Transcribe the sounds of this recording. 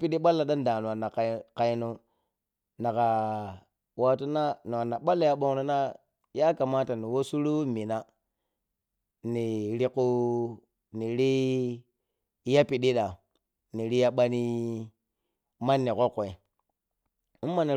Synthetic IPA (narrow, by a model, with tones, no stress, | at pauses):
pi˦ɗi˦ɓa˦lːa˨ɗa˦n˦da˨nu˨wa˨na˨kka˨i˦nu˦ | na˨ka˨ | wa˦tu˦na˦nu˨wa˨nːa˨ɓa˦lːa˨ja˦ɓo˦ŋɾi˦na˦ | ja˦ka˨ma˦ta˨ni˨wo˦su˦ɾu˦mi˨na˦ | ni˨ɾi˦ku˦ | ni˨ɾi˦ | ja˦pi˨ɗi˦ɗa˨ | ni˨ɾi˦ja˦ɓa˦ni˦ | ma˦nːi˨ko˦kːo˨e˨ | u˦mː˦a˨ni˨